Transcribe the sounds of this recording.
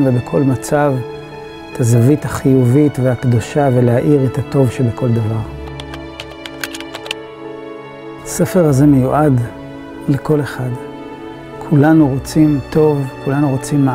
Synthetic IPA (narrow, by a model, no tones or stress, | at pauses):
vebekʰo̞lmat͡sav | etʰazavithaχijuvitvehakd̪oʃave̞lehaʔiʁetato̞vʃebeko̞ld̪avaʁ | ase̞fe̞ʁhaze̞mejuʔad | leko̞le̞χad | kʰulanuʁo̞t͡simt̪o̞vkulanuʁo̞t͡simːa